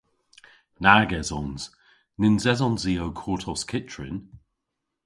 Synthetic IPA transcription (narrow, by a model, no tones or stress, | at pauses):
naɡɛzɔ̃nz̥ | nɪnzɛzɔ̃nziːoʊkʰɔːtʰɔskʰɪt͡ʃɹ̥ɪ̰̃n